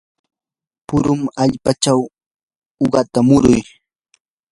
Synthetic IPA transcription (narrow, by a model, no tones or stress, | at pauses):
pʊɾʊmaʎpat͡ʃaw | oɢɑt̪amʊɾʊj